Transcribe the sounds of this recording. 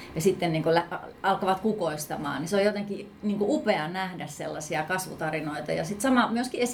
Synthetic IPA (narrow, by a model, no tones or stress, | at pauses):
jɑsit̪ːenniːŋkolæɑɑlkɑʋɑt̪kukoist̪ɑmɑ̰ːnniseojot̪eŋki | niːŋkuʔupeɑnæhdæssḛlːɑsiɑkɑsʋut̪ɑrinoit̪ɑ̰jɑsit̪sɑmɑmyøskies